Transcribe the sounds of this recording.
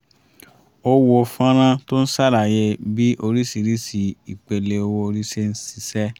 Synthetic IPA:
o˧wo˧fã˦ɾ̃ã˦to˦n̩˦sa˦˨ɾa˨jɛ˧bi˦ʔo˧ɾi˦si˧˨ɾi˦si˧i˨k͡pe˨le˧o˧wo˧ɾi˦se˦n̩˦si˦˧sɛ˦

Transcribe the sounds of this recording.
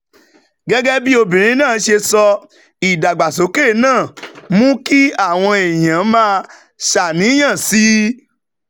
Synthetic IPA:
ɡɛ˦ɡɛ˦bi˦o˧bĩ˨ɾ̃ĩ˨˦nãː˦˨˦ʃe˧sɔ˧ | i˨da˨ɡ͡ba˨so˨˦ke˦˨nãː˦˨mũ˦ki˦a˦˨w̃ɔ̃˧e˨j̃ã˨˦mãː˦ | ʃa˨nĩ˨˦j̃ã˦˨si˨˦

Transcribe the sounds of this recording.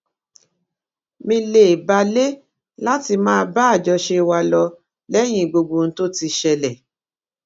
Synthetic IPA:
mĩ˧le˨ba˧le˦ | la˦ti˧mãː˦˧˦ba˦a˦˨d͡ʒɔ˧ʃe˧wa˧lɔ˧ | lɛ˦j̃ĩ˦˨ɡ͡bo˧ɡ͡bo˧˨n̩˦to˦ti˧ʃɛ˧lɛ˨

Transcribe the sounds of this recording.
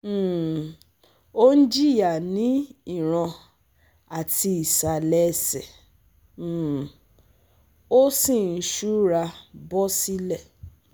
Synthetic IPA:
o˦n̩˦d͡ʒi˦˨ja˨nĩ˨˦i˦˨ɾ̃ã˧ | a˨ti˧i˨sa˨lɛ˦sɛ˨˦˨ | o˦sĩ˦˨n̩˦ʃu˦ɾa˧bɔ˦si˦lɛ˦˨

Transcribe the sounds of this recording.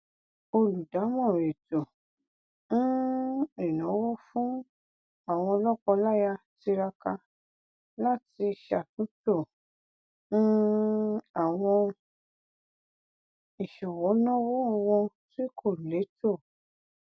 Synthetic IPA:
o˧lu˨da˨˦mɔ̃˦˨ɾe˨to˨˦ | i˨nɔ̃˨˦wɔ˦fũ˦ | a˦˨w̃ɔ̃˧lɔ˦kɔ˧la˦ja˧ti˧ɾa˧ka˧ | la˦ti˧˨ʃa˨tũ˨˦to˦˨˦ | a˨w̃ɔ̃˧ | i˨ʃɔ˨wɔ˨˦nɔ̃˦wɔ˦ɔ˧wɔ̃˧ti˦kʰo˦˨ɾu˨le˨˦to˦˨

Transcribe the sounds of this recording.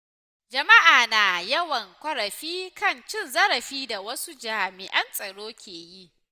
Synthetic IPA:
d͡ʒɐ˨ma˦ʔaː˨naː˨jɐ˦wɐ˨ŋkʷɐ˦ɽɐ˨ɸiː˦kɐ˦˨nt͡ʃɪ˦˨nzɐ˦ɾɐ˨ɸiː˦da˨wɐ˦su˦d͡ʒaː˨mɪ˨ʔɐ˦nsʼɐ˨ɽoː˦kʲeː˨ji˦˨ʔ

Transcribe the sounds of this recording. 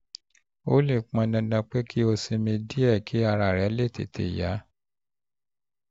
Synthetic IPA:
o˦le˦˨k͡pã˧nã˧dã˧k͡pe˦ki˦o˧sĩ˧mĩ˧di˦ɛ˦˨kʰi˦a˧ɾa˨ɾɛ˨˦le˦˨tḛ˨tḛ˨ja˨˦

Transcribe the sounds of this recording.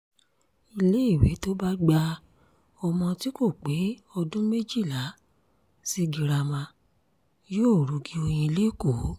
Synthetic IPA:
i˧le˦i˦˨we˨˦to˦ba˦ɡ͡ba˧ | ɔ˧mɔ̃˧ti˦ko˦˨k͡pe˨˦ɔ˧dũ˦me˦d͡ʒi˦˨la˨˦ | si˦ɡi˨ɾa˧mã˧ | joː˦˨ɾu˨˦ɡi˨˦o˧j̃ĩ˧le˦˨ko˨˦

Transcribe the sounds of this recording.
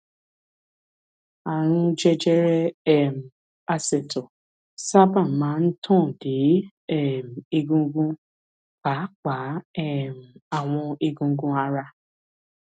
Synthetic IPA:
a˨ɾũ˦d͡ʒɛ˦d͡ʒɛ˦ɾɛ˦ɛ˦˨m̩˨ | a˦sɛ˨tɔ˨ | sa˦ba˦˨n˨mã˨˦n̩˦tʰɔ̃ː˦˨de˨˦ | ɛ˦˨m̩˨e˦ɡũ˦ɡũ˦ | ka˨˦k͡pa˨˦ɛ˦˨m̩˨a˨w̃ɔ̃˧e˦ɡũ˦ɡũ˦a˦ɾa˦

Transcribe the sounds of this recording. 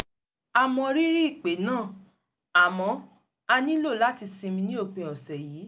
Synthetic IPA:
a˨mɔ̃˧ɾi˦ɾi˦i˦˨k͡pe˨˦nãː˦˨ | a˨mɔ̃˧˦ | a˧nĩ˦lo˦˨la˨˦ti˧sĩ˧mĩ˧nĩ˦o˦˨k͡pẽ˧˨ɔ˨sɛ˨jiː˨˦

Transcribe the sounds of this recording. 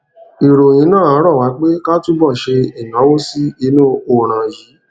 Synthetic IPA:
i˨ɾo˨j̃ĩ˨˦nãː˦˨ã˨˦ɾɔ˦˨wa˨˦k͡pe˦ka˦tu˦bɔ˦˨ʃe˧i˨nã˨˦wo˦si˦i˧˦nũ˦o˦˨ɾ̃ã˨ji˨˦

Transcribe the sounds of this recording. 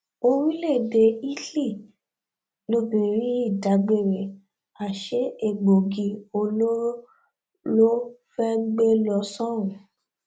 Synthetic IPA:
o˧ɾ̃ĩ˦le˦˨de˧i˦li˦˨ | lo˧bĩ˨ɾ̃ĩ˦i˦˨da˨˦ɡ͡be˦˨ɾɛ˨ | a˨ʃe˨˦e˦˨ɡ͡bo˨ɡi˧o˧lo˦ɾo˦ | lo˦fɛ˦ɡ͡be˦lɔ˧sɔ̃˦ũ˨

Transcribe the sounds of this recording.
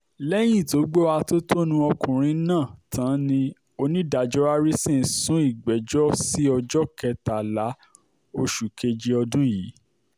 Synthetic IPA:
lɛ˦j̃ĩ˦˨to˨˦ɡ͡bo˦a˧to˦tʰo˦nũ˧ɔ˧kũ˨ɾ̃ĩ˧nãː˦˨tʰã˨˦nĩ˧ | o˧nĩ˦da˨d͡ʒɔ˦a˦ɾi˦sĩ˦˨sũ˦i˦˨ɡ͡bɛ˨˦d͡ʒɔ˦si˦ɔ˧d͡ʒɔ˦kɛ˧ta˨la˨˦ | o˧ʃu˨ke˧d͡ʒi˧ɔ˧dũ˦jiː˨˦

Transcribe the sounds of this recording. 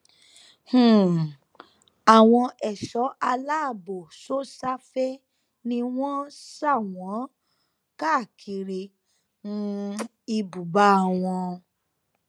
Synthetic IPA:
hũ˨ | a˨w̃ɔ̃˧ʔɛ˨ʃɔ˨˦ʔa˧la˦˨bo˨so˦sa˦fɛ˦ | nĩ˧w̃ɔ̃˦sa˦˨w̃ɔ̃˨˦ | ka˦˨kʰi˧ɾi˧ | nũ˦ | i˧bu˨ba˦a˦˨w̃ɔ̃˧

